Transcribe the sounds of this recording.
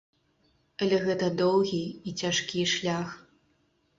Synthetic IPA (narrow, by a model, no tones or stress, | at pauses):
ɐlʲɛɣɛt̪ɐd̪ɔwɣʲiit͡sʲaʂkʲiʂlʲax